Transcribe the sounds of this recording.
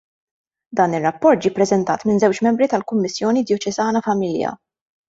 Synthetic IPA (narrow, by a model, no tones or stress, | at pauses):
d̪ɐːnɪrːɐpːɔɾt̪̚d͡ʒiːpɾɛzɛnt̪ɐ̰ːt̪mɪnzɛwt͡ʃmɛmbɾit̪ɐlkʊmːɪsːjɔːnid̪jɔt͡ʃɛzɐːnɐfɐmɪljɐ̰